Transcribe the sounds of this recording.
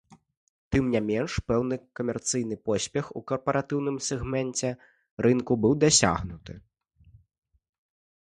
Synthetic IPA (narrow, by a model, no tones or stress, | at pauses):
t̪ɨmnʲamʲɛnʂpɛwn̪ɨkɐmʲɛrt̪sɨjn̪ɨpɔsʲpʲɛxukɐrpɐɾʔat̪ɨwn̪ɨmsʲɛɣmɛnt͡sʲɛ | ɾɨnkubɨwd̪asʲa̰ɣnut̪ɨ